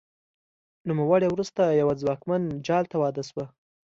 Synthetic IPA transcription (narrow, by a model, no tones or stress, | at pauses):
numawɑɽewɾust̪ajawad͡zwɑkmand͡ʒɑlt̪awɑd̪aswa